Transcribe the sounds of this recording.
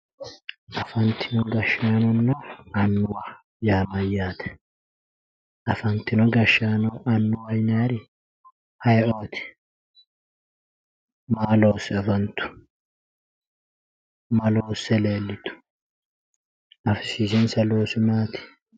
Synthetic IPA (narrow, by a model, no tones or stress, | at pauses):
ʔɐfɐnt̪ɪnɔɡɐʃːaːnɔnːɔɐnːʊwa | jaːmɐjːaːt̪ɛ̥ | ʔɐfɐnt̪ɪnɔɡɐʃːaːnɔʔɐnːʊwɐjnaːɾɪ | hɐjʔo̞ːt̪ɪ̥ | maːloːsɛɐfɐnt̪ʊ̥ | mɐloːsːɛle̞ːlːɪt̪ʊ̥ | ɐfsiːsɪnsɐloːsʊnaːt̪ɪ̥